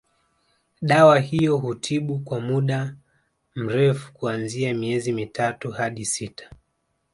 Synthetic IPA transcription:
ɗawahijɔhutʰiɓukwamuɗa | m̩ɾɛfu̥kuanziamiɛzimitatuhaɗisitʰḁ

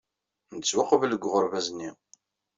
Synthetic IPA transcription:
nət͡sːwɑqəvələɡʷʁʊɾvæznːi

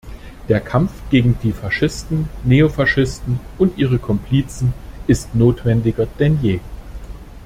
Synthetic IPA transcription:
d̥eːɐkʰamfɡ̥eːɡŋ̩diːfaʃɪstn̩neofaʃɪstn̩ʔʊntʔiːʁ̞əkʰɔmpʰl̥iːt͡sn̩ʔɪstnoːtv̥ɛndɪɡɐd̥ɛnjeː

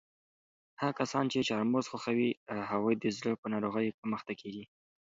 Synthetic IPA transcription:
hakasɑnt͡ʃet͡ʃɑɾmozxaxawihaɣujd̪əzləpənɑɾoɣəjkəməxt̪akʰeɡi

